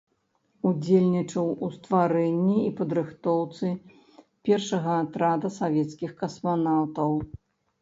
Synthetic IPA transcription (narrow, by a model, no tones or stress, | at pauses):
ud͡zʲelʲnʲit͡ʂɐwust̪vaɾɛnʲːiipɐd̪ɾɨxt̪ɔwt̪sɨ | pʲɛrʂɐɣɐːt̪ɾad̪ɐsavʲɛt̪skʲixkɐsmanawt̪ɐw